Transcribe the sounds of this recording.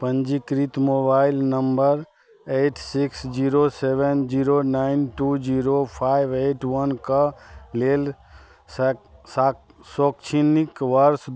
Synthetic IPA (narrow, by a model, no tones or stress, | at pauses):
pə̃nd͡ʒikɾit̪mobaɪlnəmbəɾ | eːʈsiksd͡ʒiɾosebənd͡ʒiːɾonaɪnʈud͡ʒiɾopʰaɪbeʈwənkaleːl | s | soːkt͡ʃʰinikʋəɾs